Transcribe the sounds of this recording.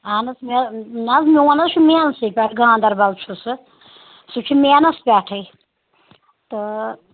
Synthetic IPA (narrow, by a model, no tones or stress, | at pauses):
aːnɐsminɐzmiwɐnɐzt͡ʃʰumeːnɐsɨpʲaʈʰɡãːnd̪ɐɾbɐlt͡ʃʰusɨ | sɨt͡ʃʰumeːnɐspʲaːʈʰɨj | t̪ɨ